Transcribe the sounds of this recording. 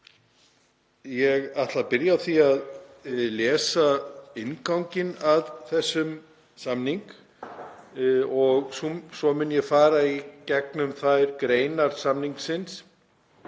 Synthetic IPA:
jɛɣat̪lapɪɾjaθiaðlɛːsaɪnkawŋcɪnaðθɛsːʏm | samniŋk | ɔɣsusɔmɪnjɛɣfaːɾaicɛk̚nʏmθajɾkɾeːjnaɾ̥samniŋksɪns

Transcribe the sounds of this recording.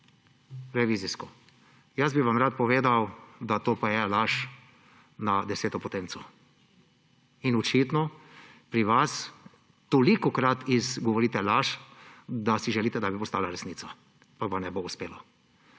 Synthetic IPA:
ɾɛʋiːziskɔ | jazbiʋamɾat̪̚pɔʋeːd̪awd̪at̪oːpajɛlaʃ | nad̪ɛseːt̪ɔpɔt̪eːnt̪sɔ | inɔt͡ʃit̪nɔpɾiʋas | t̪olikɔkɾat̪izɡɔʋɔɾiːt̪ɛlaʃ | d̪asiʒɛliːt̪ɛd̪abipɔst̪aːlaɾɛsniːt̪sa | pakʋamnɛbouspeːlɔ

